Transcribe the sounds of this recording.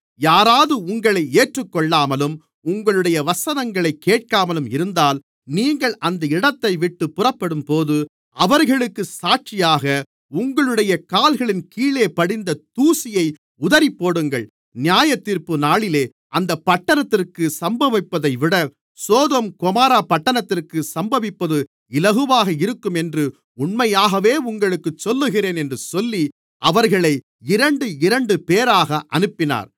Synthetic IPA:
jaːɾaːðɯʊŋɡɐɭɐɪeːʈrɯkːɔɭːaːmɐlɯm | ʊŋɡɐɭɯɽɐjɐʋɐsɐnɐŋɡɐɭɐɪkːeːʈ̚kaːmɐlɯmɪɾɯnd̪aːl | niːŋɡɐɭʔɐnd̪ɐɪɽɐt̪ːɐɪʋɪʈːɯpːʊrɐpːɐɽɯmpoːðɯ | ɐʋɐɾɣɐɭɯkːɯsaːʈ̚t͡ʃɪjaːɣɐ | ʊŋɡɐɭɯɽɐjɐkaːlɣɐɭɪnkiːɭeːpɐɽɪnd̪ɐt̪uːsɪjɐɪ | ʊðɐɾɪpːoːɽɯŋɡɐɭ | nɪjaːjɐt̪ːiːɾpɯnaːɭɪleː | ʔɐnd̪ɐpːɐʈːɐnɐt̪ːɪrkɯsɐmbɐʋɪpːɐðɐɪʋɪɽɐ | soːðɐmkʊmaːɾaːpɐʈːɐnɐt̪ːɪrkɯsɐmbɐʋɪpːɐðɯ | ɪlɐɣɯʋaːɣɐɪɾɯkːɯmɛndrɯ | ʊɳmɐjaːɣɐʋeːʊŋɡɐɭɯkːɯt͡ʃːɔlːɯɣɪreːnɛndrɯsɔlːi | ʔɐʋɐɾɣɐɭɐɪ | ɪɾɐɳɖɯɪɾɐɳɖɯpeːɾaːɣɐʔɐnɯpːɪna̰ːɾ

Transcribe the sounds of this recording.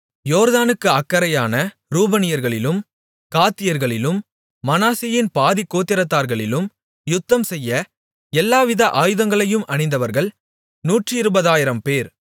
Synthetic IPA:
joːɾðaːnɯkːɯɐkːɐɾɐjaːnɐ | ɾuːbɐnɪjɐɾɣɐɭɪlɯm | kaːt̪ːɪjɐɾɣɐɭɪlɯmː | ɐnaːsɪjɪnpaːðɪkːoːt̪ːɪɾɐt̪ːaːɾɣɐɭɪlɯm | jʊt̪ːɐmsɛjːɐ | ɛlːaːʋɪðɐʔaːjɯðɐŋɡɐɭɐjɯmʔɐɳɪnd̪ɐʋɐɾɣɐɭ | nuːʈrɯɪɾɯbɐðaːjɪɾɐmpeːɾ

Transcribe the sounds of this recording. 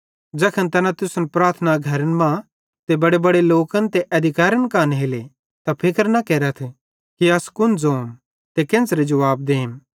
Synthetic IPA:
d͡ʒɐːkʰənt̪ɐnãt̪ʊsənpɾaːɾt̪ʰnaɡʱɐɾənmã | t̪ebɐɽebɐɽeloːkənt̪eʔɐd̪ʱɪkaːɾənkãːnɦeːle | t̪apʰɪkəɾnɐkɛːɾət̪ʰ | kiɐskʊnd͡zoːm | t̪ekɪ̃nsɾed͡ʒɐʋaːb̚d̪eːm

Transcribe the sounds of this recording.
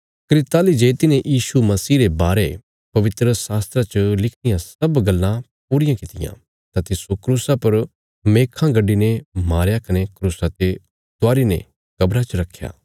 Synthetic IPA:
kɾɪt̪aːlid͡ʒeːt̪ɪnẽjʔiːʃumɐsiːɾebaːɾe | pɐʋɪt̪ɾəsaːst̪ɾat͡ʃəlɪkʰnɪjãsɐbɡɐlːã | puːɾɪjãkɪt̪ɪjã̰ | t̪at̪ɪsokɾuːsapɐɾ | meːkʰãɡɐɖːinemaːɾjakɐnekɾuːsat̪e | t̪ʊaːɾinḛ̃ | kɐbɾat͡ʃɐɾɐkʰːja̰ː

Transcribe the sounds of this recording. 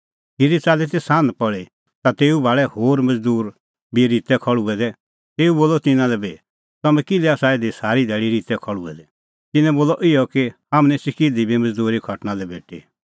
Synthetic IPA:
kiɾit͡saːlet̪̬esãːnpɔɭe | t̪at̪eːubʱaːɭɛhoːɾmɐd͡zd̪uːɾ | biɾit̪ɛkʰɔɭuɛd̪ɛ | t̪eːuboːlɔt̪ɪnãlɛbeː | t̪ɐmɛ̃kɪlɛaːsaeːd̪isaːɾid̪ʱɛːɽiɾiːt̪ɛkʰɔɭṵɛ̰d̪ɛ | t̪ɪnɛ̃boːlɔʔɪjɔkihamnɛ̃sɪkid̪ibimɐd͡zd̪uːɾikʰɐʈnalɛbʱeːʈʰḭː

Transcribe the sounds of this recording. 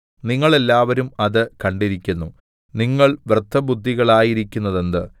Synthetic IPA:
niŋːɐɭe̞lːaːʋɐɾumɐðɨkɐɳɖiɾikʲːunːu | niŋːɐɭʋrɨt̪ʰːɐbud̪ʱːiɣɐɭaːjiɾikʲːunːɐðe̞nd̪ɨ

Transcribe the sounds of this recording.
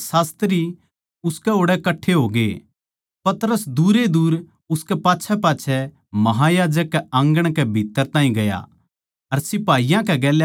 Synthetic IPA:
saːst̪ɾi | ʊskɛɦoːɽɛkɐʈʰːeɦoːɡḛ | pɐt̪ɾəsd̪uːɾed̪uːɾ | ʊskɛpaːtːʃʰɛpaːtːt͡ʃʰɛ | mɐɦajaːd͡ʒəkːɛɐ̃ŋɡəɽ̃kɛbʱit̪ːəɾt̪ãːĩɡɐja̰ | ɐɾsɪpaːijãkɛɡɛːl

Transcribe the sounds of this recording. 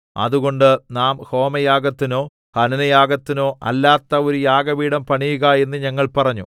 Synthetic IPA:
ɐ̰ðuɣo̞ɳɖɨnaːmho̞ːmɐjaːɡɐt̪ːino̞ː | hɐnɐnɐjaːɡɐt̪ːino̞ːʔɐ̰lːaːt̪ːɐo̞ɾujaːɡɐʋiːɽɐmpɐɳijuɣɐe̞nːɨɲɐŋːɐɭpɐrɐɲːu

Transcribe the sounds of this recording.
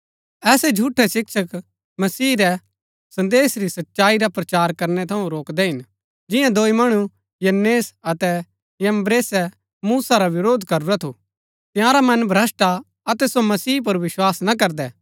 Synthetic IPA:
ɛːsɛd͡ʒʱuːʈʰɛʃɪkʃək | mɐsiːɾɛ | sɐ̃nd̪eːsɾisɐtːʃaːiɾapɾɐt͡ʃaːɾkɐɾnɛt̪ʰɐũɾoːkd̪ɛɦɪn | d͡ʒɪjãd̪oːimɐɽ̃u | jɐnːeːsɐt̪ɛ | jɐmbɾeːsɛ | muːsaɾaʋɪɾoːd̪ʱkɐɾuɾɛt̪ʰu | t̪ɪjãːɾamɐnbʱɾɐsʈa | ɐt̪ɛsomɐsiːp̬ɐɾʋɪʃwaːsnak̬ɐɾd̪ɛ

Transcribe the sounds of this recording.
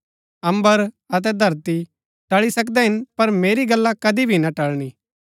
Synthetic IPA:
ɐ̃mbəɾ | ɐt̪̬ɛd̪ʱɐɾt̪i | ʈɐɭisɐk̬d̪ɛɦɪnpɐɾmeːɾiɡɐlːakɐd̪ibʱinaʈɐɭɽ̃i

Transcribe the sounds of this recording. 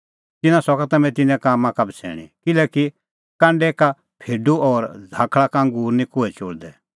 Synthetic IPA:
t̪ɪnãsɔkat̪ɐmɛ̃t̪ɪnɛ̃kaːmãkɐbt͡sʰɛ̰ːɽ̃ḭ̃kɪlɛːki | kãːɳɖɛka | pʰeːɖuʔɔːɾd͡zʱaːkʰɭakaə̃ŋɡuːɾnĩkʊɛt͡ʃoːɽd̪ɛ

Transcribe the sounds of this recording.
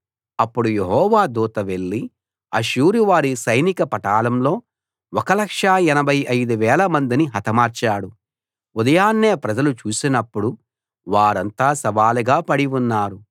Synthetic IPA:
ɐpːuɽuje̞ɦɔːʋaːd̪uːt̪ɐʋe̞ɭːi | ɐʃuːɾuʋaːɾisɐjnikɐpɐʈaːlɐmlo̞ː | ɔkɐlɐkʂaːɛnɐbʱɐjɐjd̪uʋɛːlɐmɐnd̪iniɦɐt̪ɐmaːɾt͡ʃaːɽu | ud̪ɐjaːnːe̞ːpɾɐd͡ʒɐlut͡ʃuːsinɐpːuɽu | ʋaːɾɐnt̪aːsɐʋaːluɡaːpɐɽiunːaːɾu

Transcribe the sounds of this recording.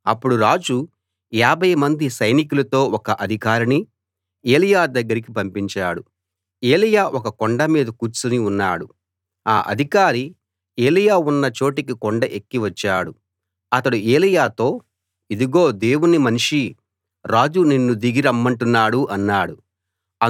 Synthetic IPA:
ɐpːuɽuɾaːd͡ʒu | jaːbʱɐjɐmɐnd̪isɐjnikulɐt̪o̞ːɔkɐʔɐd̪ʱikaːɾɐni | eːlijaːd̪ɐɡːɐɾik̬ipɐmpiɲt͡ʃaːɽu | eːlijaːʔɔkɐkoɳɖɐmiːd̪ɐkuːt͡ʃuniunːa̰ːɽu | a̰ːʔɐ̰d̪ʱikaːɾi | eːlijaːunːɐt͡ʃo̞ːʈikikoɳɖɐʔekːiʋɐt͡ʃːaːɽu | ɐt̪ɐɽueːlijaːt̪o̞ː | id̪iɡo̞ːd̪e̞ːwunimɐniʂi | ɾaːd͡ʒuninːud̪iɡiɾɐmːɐɳʈunːaːɽuʔɐnːaːɽu | ɐ

